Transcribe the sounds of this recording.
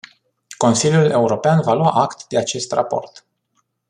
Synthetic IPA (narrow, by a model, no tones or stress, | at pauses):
ko̞nsilʲjule̞uɾo̞peanvaloaʔakt̪d̪e̞at͡ʃe̞st̪ra̰po̞̰rt̪